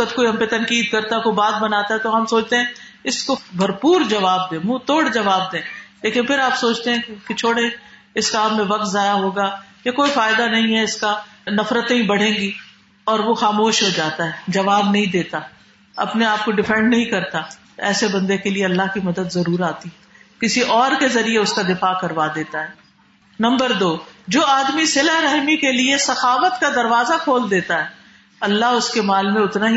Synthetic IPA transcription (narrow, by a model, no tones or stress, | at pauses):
ət̪koːiɦɐmpet̪ɐ̃nkiːd̪̚kɐɾt̪akobaːt̪̚bɐnaːt̪aɦɛt̪oɦɐmsoːt͡ʃt̪eɦɛ̃ | ɪskobʱɐɾpuːɾd͡ʒɐʋaːb̚d̪ẽːmũːt̪oːɽd͡ʒɐʋaːb̚d̪ẽːleːkɪnpʰɪɾaːpsoːt͡ʃʰt̪eɦɛ̃ket͡ʃʰoːɽẽ | ɪskaːmẽʋɐk̚t̪zaːjaɦoːɡaːjekoːifaːɪd̪anɐɦĩɦɛɪskanɐfɾət̪ẽɦĩbɐɽ̤ẽːɡi | ɔːɾʋoxaːmoːʃɦod͡ʒaːt̪aɦɛd͡ʒɐʋaːbnɐɦĩd̪eːt̪a | ɐ̰pneaːp̚koɖɪfɛ̃ɳɖnɐɦĩkɐɾt̪a | ɛːsebɐ̃nd̪ekelieɐlːaɦkimɐd̪əd̪zɐɾuːɾaːt̪iɦɛkɪsiʔɔːɾkezɐɾieʊskad̪ɪfaːkɐɾʋad̪eːt̪aɦɛː | nɐ̃mbəɾd̪oːd͡ʒoːaːd̪misɪləɦɾɛɦmikeliesɐxaːʋət̪kad̪ɐɾʋaːzakʰoːld̪eːt̪aɦɛː | ɐlːaɦʊskemaːlmẽʊt̪naɦi